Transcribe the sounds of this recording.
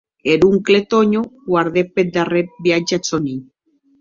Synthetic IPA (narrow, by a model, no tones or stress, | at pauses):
eɾuŋklet̪oɲoɡwaɾðeped̪arebiat͡ʃat͡soniɲ